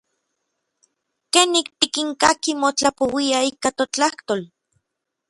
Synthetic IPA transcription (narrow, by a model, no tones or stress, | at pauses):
kenik̚t̪ikiŋkakimot͡ɬapowiaikat̪ot͡ɬaht̪ol